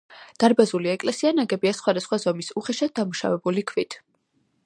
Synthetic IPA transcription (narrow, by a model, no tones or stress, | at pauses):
d̪̥aɾbazuliɛkʼlɛsianaɡɛbiasχwad̪asχwazɔmisuχɛʃad̪̚d̪amuʃa̰vɛbulikʰvit̪ʰ